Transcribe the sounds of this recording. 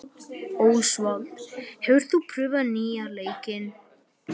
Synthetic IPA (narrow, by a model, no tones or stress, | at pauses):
oːwsvalt̪hɛvʏɾ̥t̪θupʰɾʏːvaniːaleːjcɪn